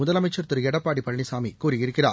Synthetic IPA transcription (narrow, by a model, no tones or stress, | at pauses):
ʊðɐlɐmɐɪt͡ʃːɐɾt̪ːɯɾɯɛɽɐpːaːɽipɐɭɳisaːmikuːɾijɪɾɯkːɪraː